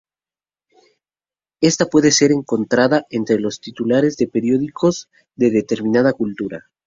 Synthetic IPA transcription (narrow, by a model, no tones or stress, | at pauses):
e̞st̪apwe̞ðe̞se̞ɾe̞ŋko̞nt̪ɾaðaʔe̞nt̪ɾe̞lo̞st̪it̪ulaɾe̞zðe̞pe̞ɾjo̞ðikʰo̞z | ðe̞ðe̞t̪e̞ɾmĩnaðakult̪uɾa̰